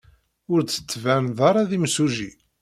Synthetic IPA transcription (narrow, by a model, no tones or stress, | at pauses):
ʊɾt͡sːə̥t͡sːvænðˤɑɾˤɑðimsuʒi